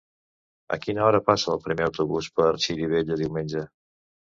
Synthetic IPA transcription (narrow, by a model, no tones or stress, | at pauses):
ə̰kinəɔɾəpasəːlˠpɾimeəwt̪uβuspəɾʃiɾiβ̞eʎəðiwmenʲʒə